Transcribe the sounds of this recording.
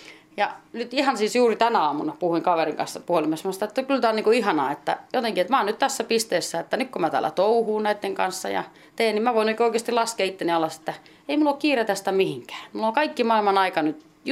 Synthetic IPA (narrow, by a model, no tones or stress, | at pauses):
jɑnyt̪ihɑnsiːsjuːrit̪ænæɑːmunɑpuhuiŋkɑʋeriŋkɑ̰nsːɑpuolimesmɑst̪ɑet̪ːækylt̪æoniːŋkoihɑnɑːet̪ːæ̰jot̪eŋkiet̪mæɑːnyt̪t̪æsːæpist̪eːsːæet̪ːænykkomæt̪æ̰ːlːæ̰t̪ouhuːnnæit̪ːeŋkɑnsːɑ̰jɑ̰ | t̪eːnnimmæʋoinoikioikeːst̪ilɑskeit̪ːeniɑlːɑse̥t̪ːæ | eimulːokkiːret̪æst̪æmihiŋkæ̥ːmulːolkɑikːimɑilmɑnɑikɑnyt̪